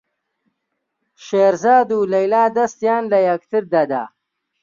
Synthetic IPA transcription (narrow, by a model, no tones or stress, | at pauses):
ʃeːɾzaːd̪uːlɐjlaːd̪ɐst̪jaːnlɐjɐk̚t̪ʰɨɾd̪ɐd̪a̰ː